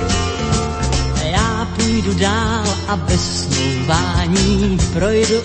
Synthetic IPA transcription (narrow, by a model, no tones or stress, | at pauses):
jaːpuːjdudaːlʔabɛs | luːvaːɲiːpɾojdu